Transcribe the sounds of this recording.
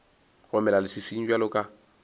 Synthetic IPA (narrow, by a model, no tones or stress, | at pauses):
ɣʊmɛlalɪsɪsiɲ̩d͡ʒwalʊkʼa